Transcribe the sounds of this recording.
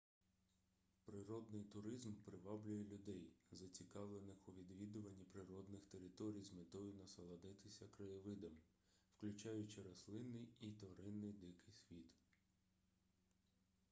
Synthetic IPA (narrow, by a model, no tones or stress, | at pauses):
pɾɪɾɔd̪nɪjt̪ʊɾɪzmpɾɪʋɑblʲʊjɛlʲʊd̪ɛjzɐt͡sʲikɑʋlˠenɪxʊʋʲid̪ʋʲid̪ʊʋɐnʲːipɾɪɾɔd̪nɪxt̪eɾɪt̪ɔɾʲijzmet̪ɔjʊnɐsɐlˠɐd̪ɪt̪ɪsʲɐkɾɐjɪʋɪd̪ɐm | wklʲʊt͡ʃɑjʊt͡ʃɪɾɐslˠɪnːɪjit̪ɔɾɪnːɪjd̪ɪkɪjsʲʋʲit̪